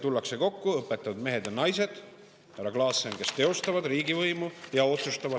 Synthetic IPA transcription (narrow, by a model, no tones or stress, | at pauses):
t̪ulːɑkse̞ko̞kːuɤpːˑe̞t̪ːˑɑvud̪̥me̞ɦe̞d̪jɑnɑjse̞d̪̥ | hæɾɑklɑːsːenke̞st̪e̞o̞st̪ɑvɑd̪̥riːɡivɤjmujɑo̞t̪sust̪ɑvɑ